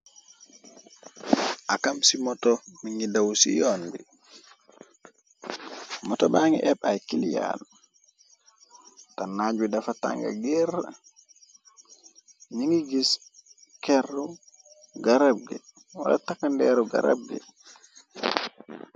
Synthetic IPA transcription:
ʔakamsimɔtɔmiŋɡidawsḭjɔːnbi | mɔtɔbaŋḭʔɛɓajkilija̰l | tanːaɟuidafata̰ŋɡa̰ɡiɾ | ɲiŋɡiɡis | kɛrːu | ɡaɾab̚ɡɛ | wa̰la̰takandɛɾuɡa̰ɾa̰b̚ɡɛ̰

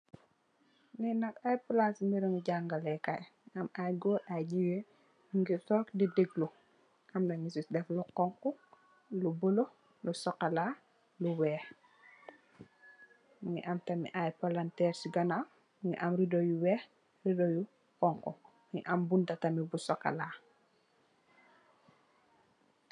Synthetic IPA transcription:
ninɐkajpulasmiɾəŋiɟaŋɡalɛkaɐmajɡɔʔaɟiwɛ | ŋɡitɔːkdideɡlu | ɐmdɐŋɡisidɛflukɔŋkɔ | lubɔlo | lusɔkːala | luwɛː | mŋɡḭʔamtɐmḭʔajpalantɛːɾsiɡɐna | mŋɡḭʔamɾidɔjuwɛː | ridɔju | kɔŋkumŋiʔɐmbundɐtɐmibusɔkːɐ̰laː

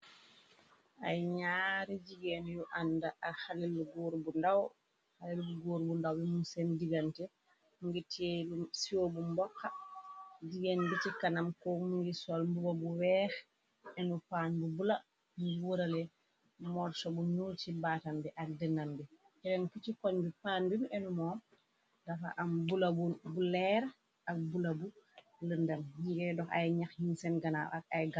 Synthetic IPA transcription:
ʔa̰jɲaːɾid͡ʒiɡɛnjuʔandaʔahalɛlːuɡoɾbundaw | halɛlbuɡoɾbundawbɛmunsɛndiɡantɛ | muŋɡitɛlusiwobumbɔkːa | d͡ʒiɡɛnbitikanamkɔmuŋɡisɔlmbubabuwɛːx | ɛnupaːnbubula | ɲɡiwuɾalɛ | mɔɾsɔbuɲuːlt͡ʃibaːtanbiʔak̚dənambi | kɛɾɛnkit͡ʃikɔɲbipaːnbinɛnumɔːm | dafa̰ʔambulabubulɛɾ | ʔak̚bulabu | ləndamhiɡɛdɔxa̰jɲaxhinsɛnɡana̰ʔakajɡa

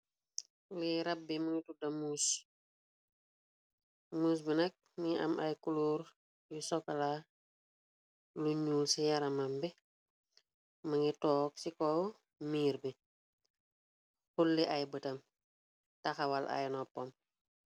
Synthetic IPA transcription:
wiɾɐbbimɐŋitudɐmuːs | muːs̬binɐk̚ | niʔɐmʔɐjkuluːɾ | jusɔkɐla | luɲuːlsijaɾɐmɐmbi | mɐŋitɔːk̚sikɔː | miːɾbi | hulːiʔɐjbətɐm | tɐxɐwɐlʔɐ̰jnɔpɔm

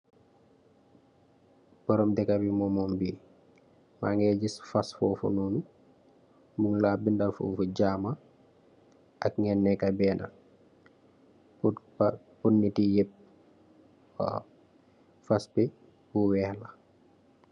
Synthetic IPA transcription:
b̥ɔɾɔmdɛkabimɔmɔmbi | maŋɛɟisfɐsfɔːfṵnuːnu | muŋlaːbːindɐlfɔ̰fuɟaːmɐ | ʔɐk̚ŋɛnːɛkɐbɛːnʔɐ̰ | punːitijɛp̚ | wa̰ | fɐspi | b̥uwɛːhlɐ

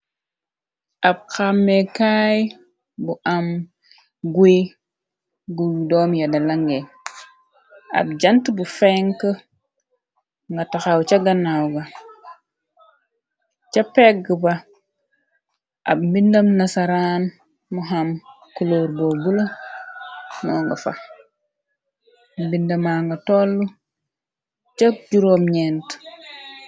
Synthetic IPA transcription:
ʔab̚kamːɛkaj | buʔam | ɡwi | ɡudɔmjadalaŋɡe | a̰b̚d͡ʒantbufɛŋkə | ŋɡataxawt͡ʃaɡanawɡa | t͡ʃɐpɛɡːəbɐ | ʔa̰bmbindɐmnasaɾan | muɦam | kuləːɾbobulɐ | mɔŋɡɐfa̰x | bindɐmaŋɡɐtɔːlːu | t͡ʃək̚ɟuɾoːmɲɛːnt

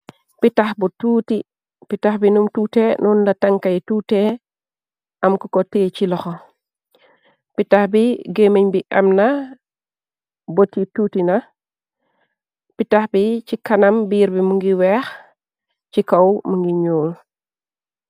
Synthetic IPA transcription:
pitɐxbutuːti | pitaxbinumtutenundɐtɐŋkajtuːte | ʔɐmkukɔteːt͡ʃilɔxɔ | pitaxbiɡemeɲbiʔɐmna | botːituːtinɐ | pitaxbit͡ʃikɐnɐmbiːɾbimuŋɡiwɛx | t͡ʃikɐwmuŋɡiɲuːl

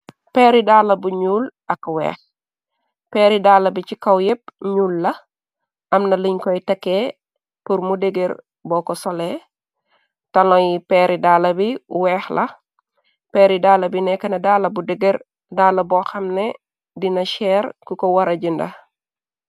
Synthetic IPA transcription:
pɛːɾidalɐbuɲuːlɐkːwɛ̰ːx | pɛːɾidaːlɐbit͡ʃikɐwjɛp̚ɲuːlːɐ | ʔɐmnɐliɲkɔjtɐkːɛ | puɾmudeɡeɾ | bɔːkɔsɔlɛ | tɐnɔjipɛːɾidalɐbiwɛːxlʔɐ | pɛːɾidaːlɐbinɛkːɐnɐdalɐbudɛɡer | daːlɐbɔxɐmnɛ | dinɐʃɛːɾkukɔwɐɾɐɟindɐ̰

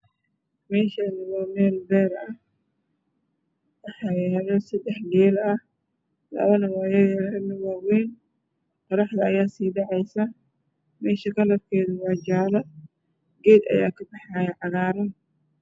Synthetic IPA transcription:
mɛːʃɐɪnɪɣɔːnɛːld̪ɛːɾɐh | wɑħɑhɛlɔsɐd̪ɛħɡɛːlɐh | lɐ̰βɐnɐwaːjɛɛnɐwɑːwɛːn | qɑɾɑħðɐːjaːsiːdɑʕɑjsɐ | mɛːʃɐkʰɐlɐfkʰɛːðɐwɑːd͡ʒaːlɐ | ɡɛːd̪ɐ̰ja̰ːkʰɐbɑħɑːjɛʕɑɣaːɾɐn

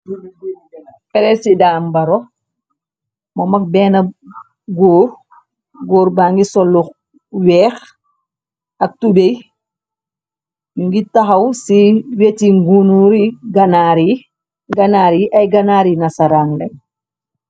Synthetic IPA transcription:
pɛɾɛsidaːmbɐɾɔ | mɔmɐk̚bɛːnɐ | ɡoːɾ | ɡoːɾbaːŋɡisɔlːu | wɛːx | ɐk̚tubej | nuŋɡitɐxɐwsiwetiŋɡunuɾiɡɐnaɾi | ɡɐnaːɾiʔɐjɡɐnaːɾinɐsɐɾaːnlɛŋ

